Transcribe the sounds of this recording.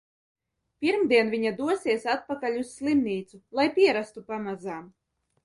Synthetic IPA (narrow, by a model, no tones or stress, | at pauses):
pʲiɾmd̪iɛnvʲiɲad̪uɔsiɛsat̪̚pakalʲusːlˠimniːt̪sulˠajpʲiɛɾast̪upamazaːm